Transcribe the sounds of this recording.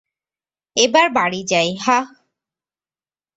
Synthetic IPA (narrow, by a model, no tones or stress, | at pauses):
ebaɹbaɽid͡ʑajɦa